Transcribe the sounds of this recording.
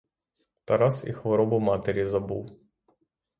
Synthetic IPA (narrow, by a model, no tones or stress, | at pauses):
t̪ɐɾɑsḭxʋɔɾɔbʊmɑt̪eɾʲizɐbṵw